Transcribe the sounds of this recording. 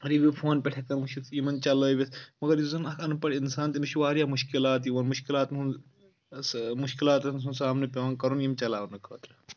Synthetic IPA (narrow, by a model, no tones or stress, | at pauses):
ɐɾiʋipʰoːnpʲɛʈʰekɐnmuʃit̪ʰjimɐnt͡ʃɐlɐʋʲet̪ʰmɐɡɐɾjuzɐnɐkʰɐnpɐɽinsaːnt̪imiʃiʋaːɾijamuʃkilaːt̪̬jiʋɐnmuʃkilaːt̪mun | smuʃkilaːt̪ɐnsunsaːmnepʲaːnkɐɾunjimt͡ʃɐlaːʋnɐkʰɐt̪ɾɐ